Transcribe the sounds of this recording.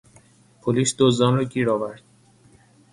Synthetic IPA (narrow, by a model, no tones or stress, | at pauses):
pʰoliːsd̪ozɒnɾɒːɟiːɾɒːvæɾd̪̥̚